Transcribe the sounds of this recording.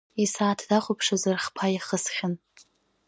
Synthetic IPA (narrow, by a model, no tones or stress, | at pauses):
isaːtʰdaχʷʊpʰʂazɨrχpʰaiχəsχʲɪn